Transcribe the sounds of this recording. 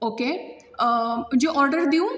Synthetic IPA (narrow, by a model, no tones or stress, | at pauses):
oːkeː | d͡ʒoːʔɔːɾɖəɾd̪iũ